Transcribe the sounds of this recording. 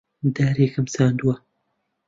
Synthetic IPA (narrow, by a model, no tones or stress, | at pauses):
d̪aɾeːkɨmsaːnd̪uwɐ